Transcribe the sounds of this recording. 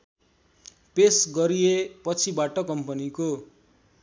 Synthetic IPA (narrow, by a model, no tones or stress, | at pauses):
pesɡʌɾijepʌt͡sʰibaʈʌkʌmpʌniko